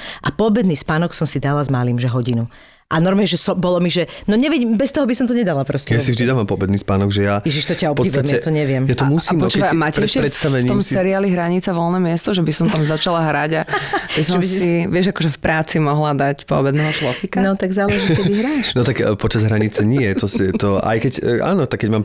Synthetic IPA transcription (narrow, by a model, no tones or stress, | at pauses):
ʔapɔbɛd̪niːspaːnɔksɔmsid̪alazmaliːmʒɛɦɔɟinu | ʔanɔɾmɛɛʒɛsɔbɔlɔmiʒɛnɔɲɛʋiɟimbɛst̪ɔɦɔbisɔmt̪ɔɲɛd̪alapɾɔstɛjasivʒd̪id̪aʋampɔbɛd̪niːspaːnɔɡʒɛjajɛʒiʃt̪ɔcaɔpɔitʋ̪amjɛt̪ɔɲɛʋɪɛmjat̪ɔmusiːmpɔt͡ʃmacɾɛɾɛʃipɾɛt̪st̪aʋɛɲit̪ɔmsɛɾiaːliɦɾaɲit͡sɛvɔlˠnɛːmɪɛst̪ɔʒɛbisɔmt̪amzat͡ʃalaɦɾaɟabisɔmssiʋɪɛʒakɔʒɛfpɾaːt͡simɔɦlad̪acpɔ̰bɛd̪nɛːɦɔʃlɔfikanɔt̪aɡzaːlɛʒikɛiɦɾaʃnɔt̪aɡpɔt͡ʃazɦɾaɲit͡sɛɲiɛt̪ɔsɛt̪ɔʔa̰jkɛɟa̰ːnɔt̪akːɛɟmaːm